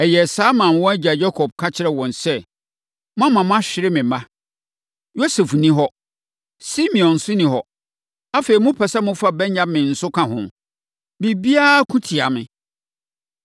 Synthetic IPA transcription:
ɛ˨jɛ˨saː˦mã˨m˨wɔ̃˦æ˦d͡ʑa˨d͡ʑɛ˦kʰɔ˨b̚kʰa˦t͡ɕʰɪ˦ɾɛ˦wɔ̃˨nsɛ˦ | mʊ̃˦ã˦mã˨mʊ̃˦a˦ɕᶣɪ˨ɾɪ˦mɪ̃˨mã˦ | jo˦sɛ˨fnĩ˦ɦɔ˦ | si˦mĩ˨ɔ̃˨n̩˨sʊ˦nĩ˨ɦɔ˨ | a˦fe˨i˨mʊ̃˦pʰɛ˨sa˦mʊ̃˦fa˦˨bɛ̃˦nːã˦bmɪ̃˨n̩˨sʊ˦kʰã˨ɦʊ̃˨m | bi˨bi˦a˦kʰũ˦tʰi˨a˨mɪ̃˨

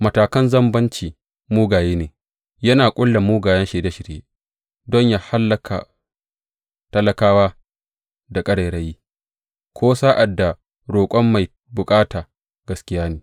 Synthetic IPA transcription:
mɐ˨taː˨kɐ˦nzɐ˦mbɐ˦nt͡ʃiː˨ | muː˦ɡaː˨jeː˦neː˨ | jɐ˦naː˨kʷʼʊ˦lːa˨muː˦ɡaː˨jɐ˦nʃeː˨da˦ʃɪ˨ɾjḛː˦ | dɔ˦ɲjaː˦ha˦lːɐ˨kʰa̰˨ | tɐ˦lɐ˦kaː˦waː˦ | da˨kʼɐ˦ɽa˨ɾɐ˨jiː˦ | kʰʷoː˦sa˦ʔa˨dːa˨ | ɽoː˨kʷʼɔ˦mːa˨j | bʊ˨kʼaː˦taː˨ | ɡɐ˨skʲɪ˦jaː˦neː˨

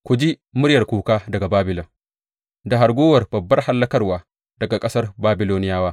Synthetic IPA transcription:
kʷu˨d͡ʒi˦mʊ˦ɽjɐ˨rkʷuː˨kaː˦dɐ˨ɡa˨baː˦bɪ˨lɐ˨ | da˨ɦa˨ɾɡʷoː˦wɐ˨rbɐ˨bːɐ˦rha˦lːɐ˦kɐ˦rwaː˨ | dɐ˨ɡa˨kʼɐ˦sɐ˦rbaː˦bɪ˨loː˦nɪ˦jaː˦waː˦

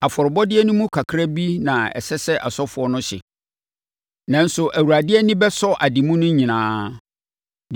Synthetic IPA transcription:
a˨fɔ˨ɾɪ˨bɔ˦dɪ˦ɛ˦nʊ̃˦mũ˦kʰa˨kʰɾa˦bi˦nã˨ɛ̰˨sɛ˦sɛ˦ʔa˨sɔ˦fʊ˨ɔ˦nʊ̃˦ɕɪ̰˨ | nã˨n̩˦sʊ˨ʔæ˨wu˨ɾa˨dɪ˦ɛ˦nɪ̃˦bɛ˦sɔ˦ʔa˨di˨mũ˦nʊ̃˦ɲĩ˨nãː˦

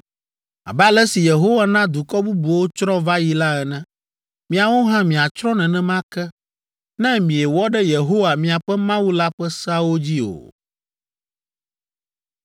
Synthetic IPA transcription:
a̰˨bɛ˦a˦lɛ˦si˨je˨ɦo˦wa˦nã˦d̪u˨kɔ˦bu˦bu˨wo˦t͡ʃɾɔ̃˦va˦ji˦la˦ɛ˨nɛ̃˦ | mĩ˨a˨wo˦ɦã˦mĩ˨a˨t͡ʃɾɔ̃˦nɛ̃˨nɛ̃˦mã˦kɛ˦ | nɛ̃˦mĩ˨ɛ˨wɔ˦ɖɛ˦je˨ɦo˦wa˨mĩ˨a˨ɸɛ˦mã˦wu˦la˦ɸɛ˦sa˦wo˦d͡ʑi˦o̰˨

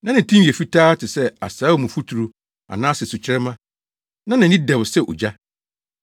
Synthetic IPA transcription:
nã˦nɪ̃˨tʰĩ˦jɛ˨fi˦tʰaː˦tʰɪ˨sɛ˦a̰˨saː˨˦o˦˨mũ˨fu˦tʰu˨ɾu˨ | a̰˨nãː˦sɪ˨su˨t͡ɕʰɪ˦ɾɛ˦mã˦ | nã˦nã˨n˦ɪ̃˦dɛ˨wsɛ˦˨ʔo̰˨d͡ʑa˦

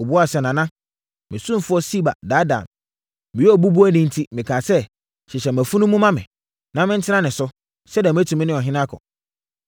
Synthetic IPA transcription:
o˨bu˦a˦˨sɛ˨nã˨nã˦ | mɪ̃˨sũ˦fʊ˦ɔ˦si˦ba̰˨da˦dã̰˨m | mɪ̃˨jɛ˦ɔ˨bu˦bu˦ɔ˦nɪ̃˦n̩˦tʰi˦mɪ̃˨kʰã˨sɛ˦ | ɕɪ˨ɕɛ˨m˨æ˨fu˦nũ˦mũ˦mã˦mɪ̃˨ | nã˦mɪ̃˦n̩˦tʰɪ˦nã˦nɪ̃˨sʊ˦ | sɛ˦dɛ˨m̃˨˦æ˦tʰũ˨mɪ̃˦nɪ̃˦ɔ˨ɦɪ̃˦nã˦kʰɔ̰˨

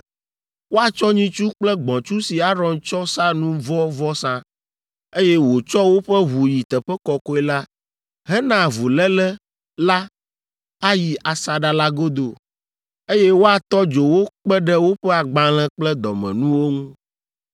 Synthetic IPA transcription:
wo˦a˨t͡ʃɔ˦ɲĩ˦t͡ʃu˦k͡plɛ˦ɡ͡bɔ̃˨t͡ʃu˦si˨a˦ɾɔ̃˨nt͡ʃɔ˦sã˦nũ˦vɔ˦vɔ˦sã˦ | e˦jɛ˦wo˨t͡ʃɔ˦wo˦ɸɛ˦ɦu˨ji˨t̪ɛ˨ɸɛ˦kɔ˨kɔ˦ɛ˦la˦ | ɦɛ˦nã˨vu˨lɛ˦lɛ˦ | la˦ | a˦ji˨ʔa˨sa˨ɖa˨la˦ɡo˦d̪o˨ | e˦jɛ˦wo˦a˨t̪ɔ˦d͡ʒo˨wo˦k͡pɛ˦ɖɛ˦wo˦ɸɛ˦a˨ɡ͡bã˨l̃ɛ̃˦k͡plɛ˦d̪ɔ̰˨mɛ̰̃˨nũ˦wo˦ŋũ˦

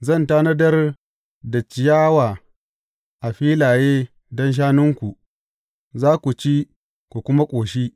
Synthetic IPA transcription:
zɐ˦˨ntaː˦nɐ˦dɐ˦r | da˨t͡ʃɪ˨jaː˦waː˨ | ʔa˨ɸiː˦laː˨jeː˦ | dɔ˦nʃ̬aː˦nʊ˦ŋkʷu˨ | zaː˦kʷu˨t͡ʃi˦ | ku˨kʷʊ˦ma˦kʷʼoː˨ʃi˦

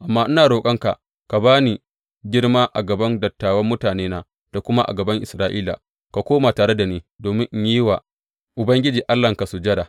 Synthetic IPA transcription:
ʔa˨mːaː˦ʔɪ˦naː˨ɽoː˨kʼɐ˦ŋka̰˨ʔ | ka˨baː˦ni˨ | ɡʲɪ˦ɽmaː˦ʔa˨ɡɐ˨bɐ˦ndɐ˨tːaː˨wɐ˦mːʊ˦taː˨neː˦naː˦ | d̥a˨kʷʊ˦ma˦ʔa̰˨ɡɐ˨bɐ˦ŋʔɪ˨sɾaː˦ʔiː˦la̰˨ | ka˨kʷoː˦maː˨taː˨ɽe˦da˨niː˦doː˨mɪ˦ŋʔɲ˦i˦wa˨ | ʔʊ˨bɐ˦ŋɡʲɪ˦d͡ʒiː˨ʔa˦lːɐ˨ŋka˨su˨d͡ʒɐ˦ɽaː˨

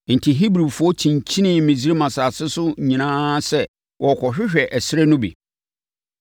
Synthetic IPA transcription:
n̩˨tʰi˨ɦi˦bɾi˨fʊ˨˦ɔ˦t͡ɕʰĩ˨ɲ˨t͡ɕʰĩ˦nɪ̃˦˨mĩ˨zɾe˦mã˨sa˨sɪ˦sʊ˦˨ɲĩ˨nãː˦sɛ˦ | wɔ˨kʰɔ˨ɕᶣɪ˦ɕᶣɛ˨ʔæ˨sɪ˦ɾɛ˦nʊ̃˦bḭ˨

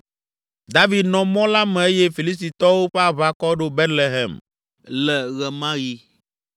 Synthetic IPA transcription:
d̪a˦vi˨d̪nɔ̃˨mɔ̃˦la˦mɛ̃˨e˦je˦fi˨li˦st̪i˨t̪ɔ˦wo˦ɸe˦a˨βa˨kɔ˦ɖo˦be˦t̪le˨ɦḛ˨m | lɛ˨ɣɛ˨mã˦ji˦

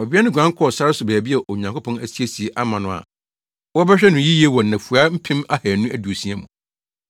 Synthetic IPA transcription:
ɔ˨bi˦ɛ˦nʊ̃˦ɡʷã˦ŋ˦kʰɔ˦ɔ˨sa˦ɾɪ˦sʊ˨bɛː˨bi˦ɛ˨ʔo˨ɲã˨ŋkʰo˦pʰɔ̃˦næ˨si˦e˦si˨e˨ʔa˦mã˨nʊ̃˨a̰˨ | wɔ˦bɛ˦ɕᶣɛ˦nʊ̃˨ji˦ji˦e˦wɔ˨nã˨fu˨a˦m̩˦pʰɪ̃˦ma˦hæ˨nũ˦ʔæ˦du˨o˨sĩ˦æ˦mũ˨

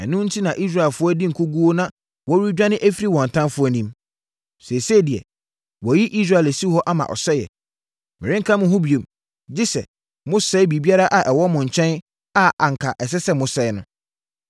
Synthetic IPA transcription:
ɛ˨nʊ̃˦n̩˦tʰi˦nã˨ʔi˦s̬ɾa˨ɛ˨lfʊ˦ɔ˦di˦ŋ̩˨kʰu˦ɡu˦o˦nã˦ | wɔ˦i˦d͡ʑᶣã˦nɪ̃˦ʔæ˦fi˦ɾi˦˨wɔ̃˨n̩˨tʰã˦nfʊ˦ɔ˦˨nĩ˦m | sɛ˨se˦˨di˨ɛ̰˨ | wɔ˨ji˦ʔi˦s̬ɾa˨læ˨si˦hɔ˦ʔa˦mã̰˨ʔɔ̰˨sɛ˦jɛ̰˨ | mɪ̃˨ɾɪ̃˦ŋ̩˦kʰã˦mʊ̃˨ɦʊ̃˦bi˨e˨m | d͡ʑɪ˦sɛ̰˨ | mʊ̃˦sɛ˦bi˨bi˦a˦ɾa˦ʔa˨ʔɛ˨wɔ˦mʊ̃˨ɲ̩˨t͡ɕʰɛ̃˦n | a˦ʔa˨ŋ̩˨kʰa˨ʔɛ˨s̬ɛ˦sɛ˦mʊ̃˨sɛ˦ɪ˦nʊ̃˦

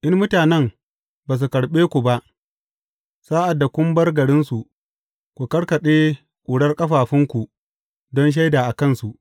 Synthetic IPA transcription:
ʔɪ˦mmʊ˦taː˨nɛ˦m | baː˨s̬u˨kɐ˨ɽɓeː˦kʷu˨ba˦ʔ | saː˦ʔa˨dːa˨kʷʊ˦mbɐ˦rɡɐ˨ɽɪ˦nsu˨ʔ | kʷu˨kɐ˦ɽkɐ˨ɗeː˦ | kʷʼuː˨ɽɐ˦rkʼɐ˦ɸaː˨ɸɪ˦ŋkʷu˨ | dɔ˦nʃ̬a˦jdaː˨ʔa˨kɐ˦˨nsu˨ʔ

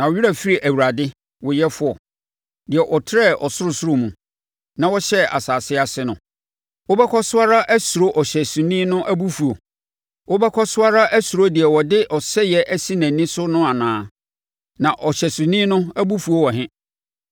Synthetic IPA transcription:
nã˨wʊ˨ɥi˦ɾa˨fi˦ɾi˨ʔæ˨wu˨ɾa˨dɪ˦ | wɔ˨jɛ˦fʊ˦ɔ˨ | dɪ˨ɛ˨ʔɔ˨tʰɪ˦ɛ˦˨ʔɔ˨sʊ˦ɾʊ˨sʊ˦ɾo˦mũ˨ | nã˨wɔ˦ɕɛ˦a̰˨saː˨sɪ˦a˨sɪ˦nʊ̃˨ | wo˦bɛ˦kʰɔ˦sʊ˦a˦ɾa˦ʔæ˦su˨ɾo˦ʔɔ˨ɕɛ˨sũ˨nĩ˦nʊ̃˦ʔæ˦bu˦fu˨o˨ | wo˦bɛ˦kʰɔ˦sʊ˦a˦ɾa˦ʔæ˦su˨ɾo˦dɪ˨ɛ˨wɔ˨dɪ˦ʔɔ˨sɛ˦jɛ˦ʔæ˦si˦næ̃˨nĩ˦sʊ˦nʊ̃˦a˨nãː˨˦ | nã˨ʔɔ˨ɕɛ˨sʊ̃˨nĩː˦nʊ̃˦æ˦bu˦fu˨o˦wɔ˨ɦɪ̃˦

